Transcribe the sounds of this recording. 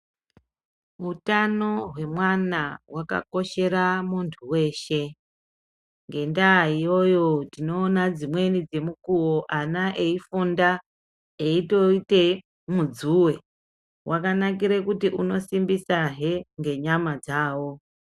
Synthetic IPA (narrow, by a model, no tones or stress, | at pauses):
utano̞ɦwe̞mwanawaka̰ko̞ʃe̞ɾamuntʰuwe̞ːʃe̞ | ŋɡe̞ndaijo̞jo̞dino̞ːnad͡zimwe̞nid͡ze̞mukuwoʔanaʔe̞ifunda | eito̞ite̞ | mud͡zuwe̞ | wakanak̬iɾekutiʔuno̞simbisaɦeŋɡe̞ɲamad͡zaːwo̞